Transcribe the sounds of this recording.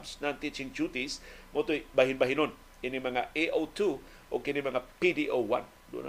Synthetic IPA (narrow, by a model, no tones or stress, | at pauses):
bsnant̪it͡ʃiŋd͡ʒut̪ismot̪obaɦinbaɦinon | inimaŋaʔeʔot̪u | ʔokinimaŋapidiʔowa̰n | dṵna